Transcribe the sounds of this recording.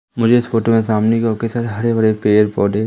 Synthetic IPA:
mʊd͡ʒʱeɪsfoːʈomẽsaːmnikɔkesɐɾɦɐɾebɐɽepeːəɾpɔːɖeː

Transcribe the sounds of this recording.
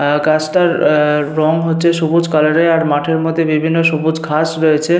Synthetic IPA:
ɡat͡ɕʈaɾɾɔŋɦotːɕʰeʃobud͡ʑkaloɾeaɾmaʈʰeɾmod̪ʱːebibʱinːoʃobud͡ʑkʰasɾoet͡ɕʰe

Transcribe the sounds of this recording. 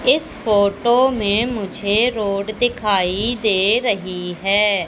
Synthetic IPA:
ɪspʰoːʈoːmẽːmʊd͡ʒʱeːɾoːɖd̪ɪkʰaːid̪eːɾəɦiːɦɛː

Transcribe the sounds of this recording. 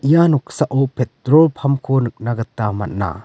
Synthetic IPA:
ijanɔk̚saʔɔpʰet̚ɾɔlpʰamkʰonɯk̚naɡɐtːama̰t̚na̰

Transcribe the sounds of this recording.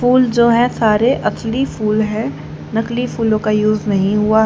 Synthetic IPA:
fuːld͡ʒoːɦɛ̃saːɾeʔɐslifuːlɦɛ̃ | nɐklifuːlõkajuːznɐɦĩɦʊa

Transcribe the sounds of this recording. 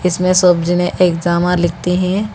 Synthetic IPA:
ɪsmẽsoːbd͡ʒinẽʔeːkd͡ʒaːmãlɪk̚ʰt̪iɦɛ̃

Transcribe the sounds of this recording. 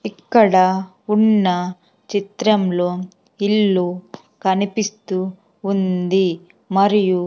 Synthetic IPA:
ikːɐɽɐ | unːɐ | t͡ʃit̪ɾɐmlo̞ː | ilːu | kɐnipist̪uː | nd̪i | mɐɾiju

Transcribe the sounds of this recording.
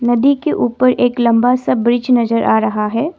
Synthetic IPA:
nɐd̪ikeʔuːpəɾeːklɐ̃mbasɐbɾɪd͡ʒnɐzəɾʔa̰ːɾɐɦaɦɛː

